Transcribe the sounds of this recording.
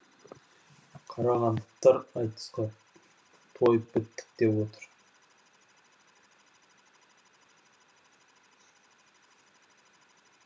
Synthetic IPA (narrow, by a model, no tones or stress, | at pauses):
qʰɑɾɑʁɑnd̪əqt̪ɑɾɑjt̪ə̥sqɑ | t̪ʰo̞jəp̚bɪt̪ːɪ̥k̚d̪e̞pwo̞t̪əɾ